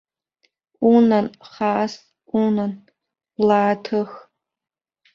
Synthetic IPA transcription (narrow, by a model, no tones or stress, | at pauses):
unɐnχaːs | unɐn | laːtʰɨx